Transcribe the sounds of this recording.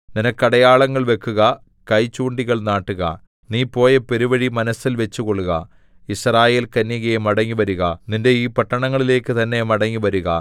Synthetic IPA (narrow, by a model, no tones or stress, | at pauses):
ninɐkːɐɽɐjaːɭɐŋːɐɭʋe̞kːuɣɐ | kɐjt͡ɕːuːɳɖiɣɐɭnaːʈːuɣɐ̰ | niːpːo̞ːjɐpe̞ɾuʋɐɻimɐnɐsilʋe̞t͡ɕːukoɭːuɣɐ | israːje̞ːlkɐnːjiɣɐjmɐɽɐŋːiʋɐɾuɣɐninde̞iːpɐʈːɐɳɐŋːɐɭile̞ːkːɨt̪ɐnːe̞mɐɽɐŋːiʋɐɾuɣɐ